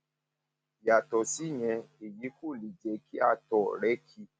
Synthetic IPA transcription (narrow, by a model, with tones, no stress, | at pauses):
ja˨tɔ˨si˨˦˨ɲɛ̃˧e˨ji˨˦ko˦˨li˨d͡ʒɛ˨˦ki˦a˧tɔ˨ɾɛ˦kʰi˧˦